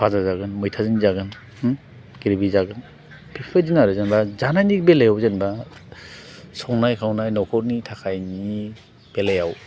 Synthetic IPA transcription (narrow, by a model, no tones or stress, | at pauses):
pʰazazaɡɯnmɯjtʰazɯnizaɡɯn | ɡiɾbizaɡɯn | pʰipʰɯzinaɾɯzenbazanajnibelejawzenba | sɔŋnajkʰawnajnɔkʰɔɾnitʰakʰajni | b̥elejaw